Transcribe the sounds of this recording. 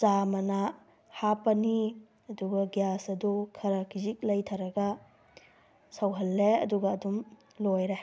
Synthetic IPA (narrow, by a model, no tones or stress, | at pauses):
t͡ʃamɐna | hapɐni | ɐduɡɐɡjasɐdukʰɐɾɐkʰizik̚lɐjtʰaɾɐɡɐ | sɐwɦɐlːeɐ̰duɡɐːdum | lojɾe